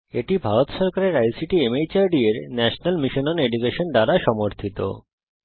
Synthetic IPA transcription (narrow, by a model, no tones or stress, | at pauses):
eʈibʱaɾot̪ʃɔɾkaɾeɾajsiʈiemejt͡ɕaɾɖieɾnɛʃonalmiʃononeɖukeʃonɖ̪aɾaʃɔmoɾt̪ʰit̪o̰